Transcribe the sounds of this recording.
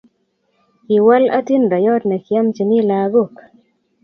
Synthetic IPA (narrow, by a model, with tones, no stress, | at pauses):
ki˨wa˦la˦ti˦nda˨jɔ˦tnɛ˨kja˦mt͡ʃi˨ni˦la˨ɡo˦˨k